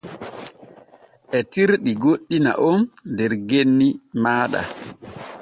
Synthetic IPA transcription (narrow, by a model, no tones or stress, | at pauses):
ʔɛtiɾɗiɡoɗːina̰ʔɔndɛɾɡenːimaːɗa̰